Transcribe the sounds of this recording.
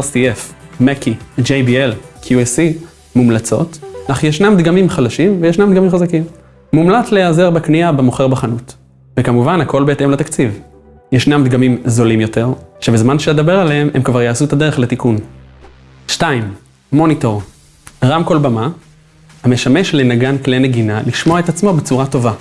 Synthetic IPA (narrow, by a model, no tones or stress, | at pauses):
siefmekid͡ʒejbielkʰjuesi | mumlat͡so̰tnaχujeʃnamd̪ɡamimχadaʃimvejeʃnamd̪ɡamimχazakimː | umlat͡slejaze̞ʁbekniabemoχe̞ʁbaχanut | vekamuvanhako̞lbe̞ːt̪e̞mlat̪akt͡siv | jeʃnamd̪ɡamimzo̞limjo̞te̞ʁʃebezmanʃeled̪abe̞ʁaleememkvaʁjaːsut̪ad̪e̞ʁeχlet̪ikun | ʃtaimː | o̞nito̞ʁ | ʁamko̞lbama | hame̞ʃame̞ʃlenaɡankleneɡinaliʃmoaet̪at͡smo̞bet͡suʁato̞va